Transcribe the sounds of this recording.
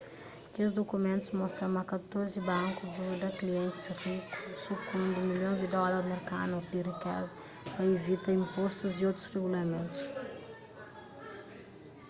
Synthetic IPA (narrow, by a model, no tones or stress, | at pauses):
kezd̪okumẽnt̪uzmɔst̪ɾɐ̃mɐkɐt̪oɾzibɐ̃ŋkudud̪ɐkliẽnt̪ɪzriku̥sukũnd̪umiljõj̃zd̪id̪ɔlɐɾmeɾkanuɾzd̪irikɛzɐ | pɐevit̪ɐĩmpost̪uziot̪ɾuzreɣulɐmẽnt̪u̥s